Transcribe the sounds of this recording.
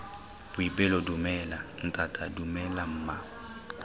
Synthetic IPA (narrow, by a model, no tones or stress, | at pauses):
b̥ʊibɛlɔdumɛlan̩tʼatʼadumɛlam̩ːma